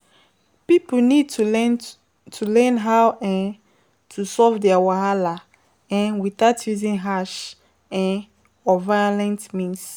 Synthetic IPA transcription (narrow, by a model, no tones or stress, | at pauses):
pipunid̚tʰ | tʰulɛ̃nɦawʔɛ̃n | tʰusɔvdɛawaɦala | ɛ̃nwiθatʰjuzĩnɦaʃ | ɛ̃n | ɔvalɛ̃ntmĩns